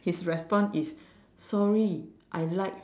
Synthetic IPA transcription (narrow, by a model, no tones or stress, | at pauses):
hisɹɛspɔ̃nsis | sɔɹiʔajlaɪk̚